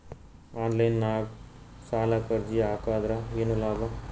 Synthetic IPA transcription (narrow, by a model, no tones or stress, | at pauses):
aːnlɐjnːaːɡ | saːlakɐɾd͡ʒiaːkaːd̪ɾaeːnulaːba